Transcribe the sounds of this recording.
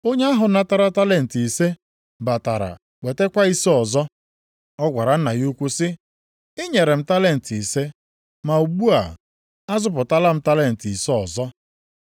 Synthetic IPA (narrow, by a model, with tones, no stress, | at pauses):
o˦ɲe˦a˦ɦʊ˨na˦ta˦ɾa˦ta˦le˦n̩˨ti˨se˦ | ba˨ta˨ɾa̰˨ | k͡pe˨te˦kʷa˦i˦si˦ɔ˨zɔ˦ | ɔ˦ɡʷa˨ɾa˨n̩˦na˨ɣu˦kʷu˦sɪ˦ | ɪ˦ɲe˨ɾe˨m̩˨ta˦le˦˨n̩˨ti˨se˦ | ma˨u˨ɡ͡bu˦a̰˨ | a˦zʊ˦˨p̬ʊ˨ta˦la˦m̩˦ta˦le˦˨n̩˨ti˨si˦ɔ˨zɔ˦